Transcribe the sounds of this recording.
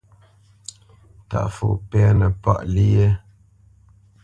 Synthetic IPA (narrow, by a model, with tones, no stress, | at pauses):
ta̰˨ʔfo̰˨pɛ˦nə˨pa̰˦ʔli˦je˦